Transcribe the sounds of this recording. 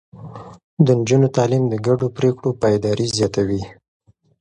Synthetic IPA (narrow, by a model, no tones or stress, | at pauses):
d̪ənd͡ʒunot̪ɑlimd̪əɡaɖopɾekɽopɑjd̪ɑɾizjɑt̪awi